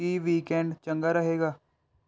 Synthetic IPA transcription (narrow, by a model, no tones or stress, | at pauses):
iːʋiːkɛːɳɖt͡ʃəŋɡaːɾəɦeːɡaː